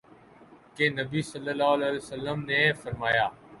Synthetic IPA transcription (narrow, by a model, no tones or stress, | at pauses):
kenɐbisəlːəlːaːɦlɛlesəlːəmnefɐɾmaːjaː